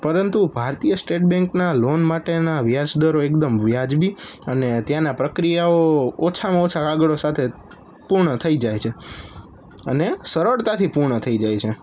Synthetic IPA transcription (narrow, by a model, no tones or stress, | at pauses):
pəɾənt̪ubʱaɾt̪ijəsʈeʈ̚bɛ̃ŋknalonmaʈenaʋjad͡ʒd̪əɾoekd̪əmʋjad͡ʒbiənet̪janapɾəkɾijaoot͡ʃʰamãot͡ʃʰakaɡəɭosat̪ʰe | puɾɳət̪ʰəid͡ʒajt͡ʃʰe | ə̰nesəɾəɽt̪at̪ʰipuɾɳət̪ʰəid͡ʒajt͡ʃʰe